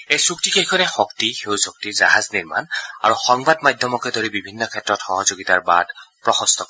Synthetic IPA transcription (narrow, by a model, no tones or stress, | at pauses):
ejsuk̚tikeɦkʰɔnɛxɔktixewsɔk̚tiza̰ɦazniɹma̰na̰ɹuxɔŋbadmadʱjɔmɔkɛdoɹibibʱinːɔkʰɛtɹɔtxɔɦɔzoɡitaɹba̰dpɹɔxɔst̪ʰɔkɔ